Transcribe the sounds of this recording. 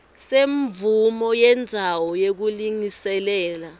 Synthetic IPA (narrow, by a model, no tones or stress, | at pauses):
seɱvumɔjɛnd͡zʱawɔjek̬uliŋisɛlɛːla